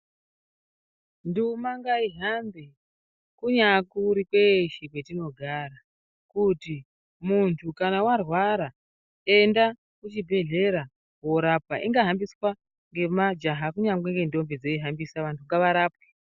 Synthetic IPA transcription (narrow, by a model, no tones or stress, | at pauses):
ndumaŋɡaiɦambe | kuɲakuɾikweʃikwetino̞ɡʱaɾa | kuti | muntʰukanawarwaɾa | e̞nda | kut͡ʃibʱe̞ɮe̞ɾa | wo̞ɾap̚waʔiŋɡaɦambiswa | ŋɡe̞mad͡ʒaɦakuɲaŋweŋɡe̞ndo̞mbed͡zeiɦambisaʋantʰuŋɡaʋaɾaːp̚we̥